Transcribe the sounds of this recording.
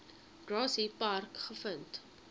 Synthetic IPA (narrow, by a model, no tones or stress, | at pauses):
ɡ̥rɑːsipɐrkχəfənt